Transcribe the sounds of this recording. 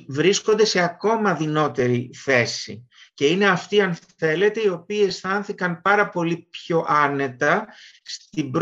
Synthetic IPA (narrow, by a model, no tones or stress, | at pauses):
vɾisko̞nd̪e̞se̞ɐko̞mɐðino̞t̪e̞ɾiθe̞sḭ | ce̞ine̞ɐft̪iɐnθe̞le̞t̪e̞io̞piːe̞sθɐnθikɐnpɐɾɐpo̞lipço̞ʔɐne̞t̪ɐst̪ibɾ